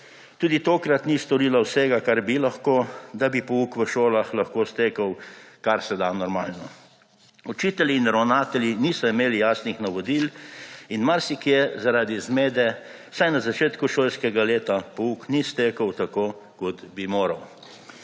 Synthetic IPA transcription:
t̪uːd̪it̪oːkɾat̪nist̪ɔɾilawsɛɡakaɾbilaxkoːd̪abipɔuːkʋəʃoːlaxlaxkoːst̪eːkəwkaɾsɛd̪anɔɾmaːlnɔ | ɔt͡ʃiːt̪ɛliːnɾɐwnaːt̪ɛljiniːsɔimeːlijaːsnixnaʋɔd̪ilinmaɾsikjɛzaɾaːd̪izmeːd̪ɛ | sajnazat͡ʃeːt̪kuʃoːlskɛɡaleːt̪apɔuknist̪eːkəwt̪akoː | kɔt̪bimoːɾɐw

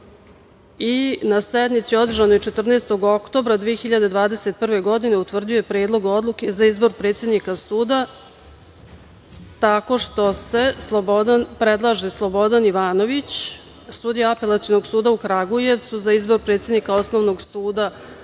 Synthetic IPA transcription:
inased̪mit̪sio̞d̪r̩ʒanojt͡ʃe̞t̪r̩neːst̪o̞ɡo̞kt̪o̞ːbɾad̪ʋijexiʎad̪e̞d̪ʋaːd̪e̞se̞t̪̚pr̩ʋe̞ɡo̞d̪ine̞ut̪ʋr̩d̪iojepɾeːd̪lˠo̞ɡo̞d̪luke̞zaizbo̞ɾpɾet̪sjed̪nikasuːd̪a | t̪ako̞ʂt̪o̞se̞slˠobod̪anpɾe̞d̪lˠaʒislˠo̞bo̞d̪aniʋaːno̞ʋit͡ɕ | sud̪ijaape̞lat̪sijono̞ɡsuːd̪aukɾaɡuje̞ʋt̪suzaizbo̞ɾpɾet̪sʲjed̪nikao̞sno̞ʋno̞ɡsuːd̪a

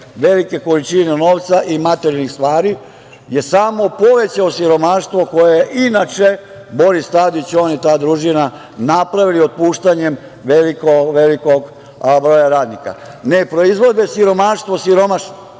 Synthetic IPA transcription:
ʋe̞like̞ko̞lit͡ʃineno̞ːʋt̪saʔimat̪eɾialnixst̪ʋaːɾi | je̞saːmo̞po̞ʋe̞t͡ɕaosiɾo̞maːʃt̪ʋo̞ko̞jejeʔinat͡ʃe | bo̞ɾist̪aːd̪it͡ɕo̞ːnit̪aːd̪ɾuʒina | napɾaʋiliot̪̚puːʃt̪aɲem | ʋelikoʋe̞liko̞ɡ | bɾo̞jaɾaːd̪nika̰ne̞pɾo̞izʋo̞d̪e̞siɾo̞maːʃt̪ʋosiɾo̞maʃno

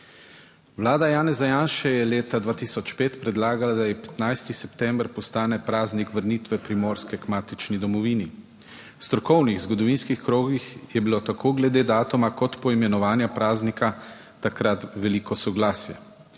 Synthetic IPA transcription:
ʋlaːd̪ajaːnɛzajaːnʃɛjɛleːt̪ad̪ʋaːt̪isɔt͡ʃpeːt̪pɾɛd̪laːɡalad̪ajɛpɛ̥t̪najst̪isɛpt̪ɛmbɾpɔst̪aːnɛpɾaːznikʋəɾniːt̪ʋɛpɾimoːɾskɛkmaːt̪it͡ʃnid̪ɔmɔʋiːni | st̪ɾɔkɔwniɣzɡɔd̪ɔʋiːnskixkɾoːɡixjɛbilot̪akʰoːɡlɛd̪eːd̪aːt̪ɔmakɔt̪pɔimɛnɔʋaːnjapɾaːznikʰa | t̪akɾat̪ʋɛliːkɔsɔɡlaːsjɛ

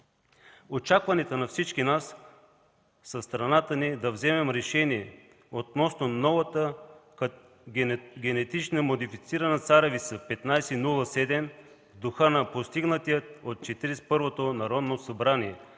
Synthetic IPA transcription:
ot͡ʃakvɐnɛt̪ənɐfsit͡ʃkinas | sɐst̪ɾɐnat̪ənid̪ɐvzɛmɛmɾɛʃɛniɛ | ot̪nɔsnonɔvɐt̪ə | ɡʲɛnɛt̪it͡ʃnəmod̪ifit̪siɾɐnət̪saɾɛvisəpɛt̪najsɛnulˠəsɛd̪ɛm | vd̪oxɤnɐpost̪iɡnət̪ijət̪̚ot̪̚t͡ʃɛt̪iɾɛspɤɾvot̪onɐɾɔd̪nosɐbɾaniɛ

